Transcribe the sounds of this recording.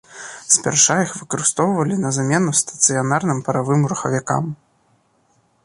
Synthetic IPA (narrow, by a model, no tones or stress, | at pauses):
spʲɛ̰rʂajixvɨkɐɾɨst̪ɔwvɐlʲinɐzamʲɛnust̪ɐ̥t̪sɨjanarnɨmpɐɾavɨmɾuxɐvʲaka̰m